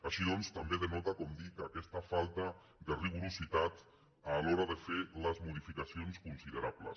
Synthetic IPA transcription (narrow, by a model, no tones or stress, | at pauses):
aʃiðɔnst̪ambeðənɔt̪akɔmd̪ikakɛst̪afalˠt̪a | d̪əriɣ̞uɾusit̪at̪ | alɔɾaðəfeləzmuð̞ifikasionskunsiðəɾaplə̰s